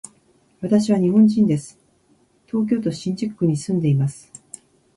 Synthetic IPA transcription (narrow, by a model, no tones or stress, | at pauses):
βat̪aɕiβaɲ̟iɦõ̞ɲ̟d͡ʑĩnd̪e̞sɨ̥ | t̪o̞ːk̬ʲo̞ːt̪o̞ɕĩɲ̟d͡ʑikɯ̥ːɯ̟ɲ̟isɨ̃nd̪e̞imasɨ̥